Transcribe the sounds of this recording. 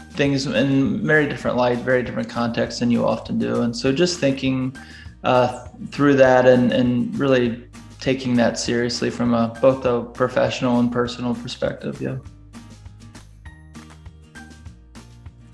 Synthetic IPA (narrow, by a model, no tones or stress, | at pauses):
θɪ̃ŋzɪ̰̃nvɛɹidɪfɹɨ̰̃nʔlaɪtvɛɹidɪfɹɨ̃nkʰɑ̃ntʰɛkstsðɨ̃njɨɑ̰fɨ̃n̩dʉ̰ə̃nsoʊd͡ʒʌsθɪ̃ŋkɪ̃ŋ | ʔʌθɹʉðæɾɨ̃nɨ̰̃nɹɪlˠi | tʰeɪkɪ̃ŋðɨtsɪɹiɨslifɹʌ̃məb̥oʊθəpʰɹ̥ɨfɛ̰ʃn̩l̩ˠə̃npʰɜ˞sn̩l̩ˠpʰə˞spɛ̰k̚tɨ̰vjʉ̰